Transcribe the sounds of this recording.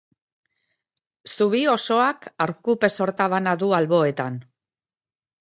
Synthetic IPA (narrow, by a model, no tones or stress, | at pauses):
suβ̞io̞so̞akaɾkupe̞so̞ɾt̪aβanaðualβo̞e̞t̪an